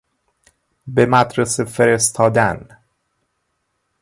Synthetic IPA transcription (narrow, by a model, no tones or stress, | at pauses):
bemæd̪ɾesefeɾest̪ʰɒːd̪æn